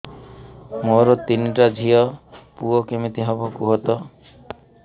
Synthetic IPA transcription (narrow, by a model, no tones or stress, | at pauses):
moɾɔt̪iniʈad͡ʒʱiɔpuɔkemit̪iɦɔbɔkuɦɔt̪ɔ